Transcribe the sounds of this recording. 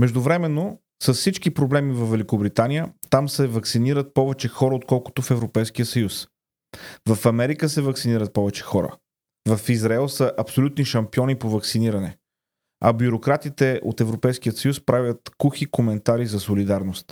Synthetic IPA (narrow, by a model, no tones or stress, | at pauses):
mɛʒd̪ʊvɾɛmɛnːo | səssit͡ʃkipɾoblɛmivɐvːɛlʲikobɾit̪anijət̪amsɛvɐksiniɾət̪̚pɔvɛt͡ʃɛxɔɾəot̪̚kɔlˠko̥t̪ofɛvɾopɛjsk̟ijəsɐjus | vəfɐmɛɾikəsɛvɐksiniɾət̪̚pɔvɛt͡ʃɛ̥xɔɾə̰ | vɐfizɾɐɛlˠsəʔɐpsolʲut̪niʃɐmpiɔnipovɐksiniɾɐnɛ | ɐ̰bjuɾokɾat̪it̪ɛʔo̰t̪ɛvɾopɛjsk̟iət̪səjuspɾavʲjət̪kuxikomɛnt̪aɾizɐsolid̪aɾnost̪